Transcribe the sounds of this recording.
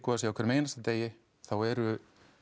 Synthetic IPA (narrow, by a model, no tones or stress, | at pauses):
kɔðasjɛawɔkʰvɛɾmeːjnast̪at̪eːjɪ | θawɛɾʏ